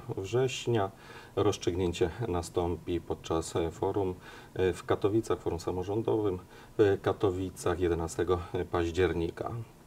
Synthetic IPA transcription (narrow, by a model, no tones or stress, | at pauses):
vʐɛɕɲa | ɾɔstt͡ʂɨɡɲeɲt͡ɕɛnast̪ɔmpʲipɔt̪̚t͡ʂasfɔɾum | fkat̪ɔvʲit̪saxfɔɾumsamɔʐɔnd̪ɔvɘm | fkat̪ɔvʲit̪saxjɛd̪ɛnast̪ɛɡɔpaʑd͡ʑɛɾɲika̰